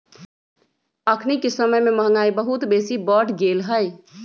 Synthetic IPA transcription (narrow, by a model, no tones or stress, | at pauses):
əkʰnikesəməjmeməɦə̃ŋɡaibəɦut̪besibəʈɡelɦəj